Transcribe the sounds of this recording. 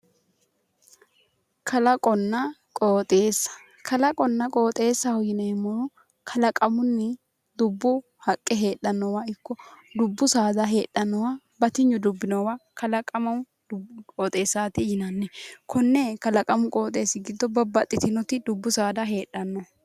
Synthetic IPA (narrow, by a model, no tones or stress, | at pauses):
kʰɐlɐkʼɔnːɐkʼoːt̪ʼeːsːɐ̥ | kʰɐlɐkʼɔnːɐkʼoːt̪ʼe̞ːsːɐhɔjɪnɐɪmːɔnʊ | kʰɐlɐkʼɐmʊnːɪ | d̪ʊbːʊ | hɐkʼːɛɦe̞ːᶑɐnːɔwaɪkːɔd̪ʊbːʊsaːd̪ɐɦe̞ːɗːɐnːɔwaː | bɐt̪ɪɲːʊd̪ʊbːɪnɔwakɐlɐkʼɐmɐw | d̪kʼoːt̪ʼe̞ːsːaːt̪ɪhɪnɐnːɛkʰɔnːɛkɐlɐkʼɐmʊkʼo̞ːt̪ʼe̞ːsːɪɡɪd̪ːɔbɐbɐt̪ʼːɪt̪ɪnɔt̪ɪd̪ʊbːʊsaːd̪ɐɦe̞ːɗɐnːɔ